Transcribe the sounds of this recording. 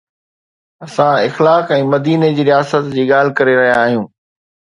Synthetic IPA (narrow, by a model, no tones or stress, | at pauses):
ɐsãɪxlaːkɛ̃ːmɐd̪iːned͡ʑiːɾijaːsət̪d͡ʑiːɠaːl̤ɪkɐɾeɾɐɦijaːɦijũː